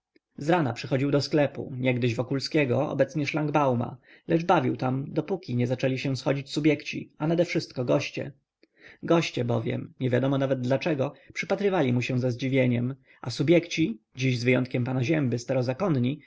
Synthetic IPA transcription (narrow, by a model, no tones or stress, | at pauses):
zɾana̰pʂɘxɔd͡ʑiwd̪ɔsklɛpṵɲɛɡd̪ɘʑvɔkulskʲɛɡɔɔ̰bɛt̪sɲɛʂlaŋɡbawma̰ | lɛʐbavʲiwt̪amd̪ɔpukʲiɲɛzat͡ʂɛlʲiɕɛ̃sxɔd͡ʑit͡ɕsubʲjɛkt͡ɕḭanad̪ɛfʂɘst̪̚kɔɡɔɕt͡ɕɛ̰ | ɡɔɕt͡ɕɛbɔvʲjɛ̰mɲɛvʲjad̪ɔmɔnavɛd̪̚d̪lat͡ʂɛɡɔpʂɘpat̪ɾɘvalʲimuɕɛ̃zazd͡ʑivʲjeɲɛm | ʔasubʲjɛkt͡ɕi | d͡ʑiʑzvɘjɔnt̪̚kʲɛmpanaʑɛmbɘst̪aɾɔzakɔnɲi